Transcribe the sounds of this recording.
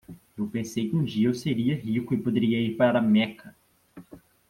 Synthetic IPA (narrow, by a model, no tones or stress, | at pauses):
ewpẽsejkɪũd͡ʒiɐewseɾiɐɦikʊɪpod̪eɾiɐiɾpaɾaɾɐmɛkʰɐ